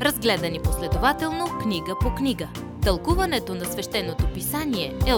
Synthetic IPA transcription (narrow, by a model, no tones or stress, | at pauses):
ɾɐzɡlɛd̪ɐniposlɛd̪ovat̪ɛlˠnoknʲiɡəpokniɡə | t̪ɐlˠkuvɐnɛt̪onɐsvɛʃt̪ɛnːot̪opisaniɛɛ